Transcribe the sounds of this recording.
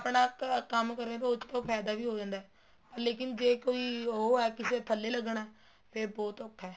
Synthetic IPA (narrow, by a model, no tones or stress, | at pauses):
əpɳaːkəmkəɾẽːt̪õːʊt͡ʃːt̪õːpʰɛːd̪aːʋiːɦoːd͡ʒãːnd̪aːɛː | pəɾleːk̬ɪnd͡ʒeːkoːiːoɦoɛːkɪseːt̪ʰəlːeːləɡɳɛː | pʰeɾbɔːt̪əkʰːɛː